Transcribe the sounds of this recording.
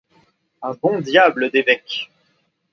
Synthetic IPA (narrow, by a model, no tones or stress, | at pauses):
ɛ̃bɔ̃d̪jabləd̪evɛk